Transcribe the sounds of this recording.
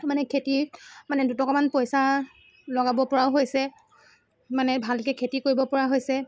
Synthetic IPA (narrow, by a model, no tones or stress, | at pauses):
manɛkʰetimanɛdutɔkɔmanpojsa | lɔɡabɔpɔɹaʊɦojsɛ | manɛbʱalkɛkʰetikoɹibɔpɔɹaɦojsɛ